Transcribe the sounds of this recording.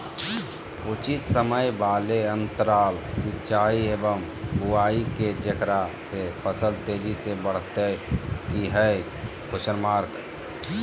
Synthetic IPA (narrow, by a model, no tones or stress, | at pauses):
ut͡ʃissəməjbaːleə̃nt̪əɾaːlsit͡ʃaːieːbəm | buaːiked͡ʒəkɾasepʰəsəlt̪eːɾisebəɽ̤t̪ekiɦɛ | kʊsəɾmaːɾk